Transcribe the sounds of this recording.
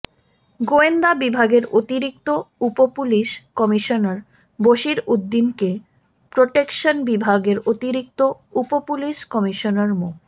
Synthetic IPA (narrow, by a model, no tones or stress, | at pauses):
ɡoend̪abibʱaɡeɾot̪iɾik̚t̪oupopuliʃkɔmiʃonaɾ | boʃiɾud̪ːinke | pɾoʈekʃonbibʱaɡeɾot̪iɾik̚t̪oupopuliʃkɔmiʃonaɾmo